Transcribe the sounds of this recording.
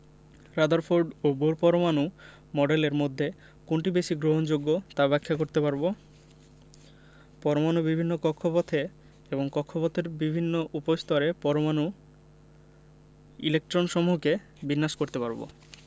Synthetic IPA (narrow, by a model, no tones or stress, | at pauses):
ɾad̪aɾfʰoɾɖoboɾpɔɾomanu | mɔɖeleɾmod̪ʱːe | koɳʈibeʃiɡɾoɦond͡ʑoɡːot̪abɛkʰːakoɾt̪epaɾbo | pɔɾomanubibʱinːokɔkʰːopɔt̪ʰe | eboŋkɔkʰːopɔt̪ʰeɾbibʱinːoʔupost̪ɔɾepɔɾomanu | ilek̚ʈɾonʃɔmuɦke | binːaʃkoɾt̪epaɾbo̰